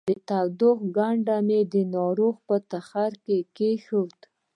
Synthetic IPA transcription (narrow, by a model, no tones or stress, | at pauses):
d̪ət̪awd̪oxɡaɳɖamed̪ənɑɾoɣpət̪axaɾkekeʃut̪